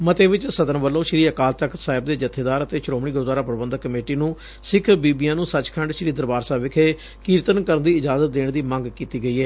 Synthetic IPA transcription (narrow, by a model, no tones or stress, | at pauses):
mət̪eːʋɪt͡ʃsəd̪ənbəlːõːʃɾiːəkaːlt̪əksaːɪb̚d̪eːd͡ʒət̪ʰːeːd̪aːɾət̪eːʃɾoːmɳiːɡʊɾd̪aːɾaːpəɾbənd̪kːəmeːʈiːnũː | sɪkʰbiːbiːãːnũːsət͡ʃkʰə̃ɳɖʃəɾiːd̪əɾbaːɾsaːʋɪkʰeː | kiːɾt̪ənkəɾənd̪iːɪd͡ʒaːzət̪̚d̪eːɳd̪iːmə̃ŋɡkiːt̪iːɡəiːɛː